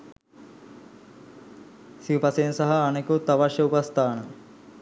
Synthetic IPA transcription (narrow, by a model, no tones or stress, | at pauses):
siupɐseːnsɐɦɐːnekut̪ɐʋɐʃjɐupɐst̪aːɳɐ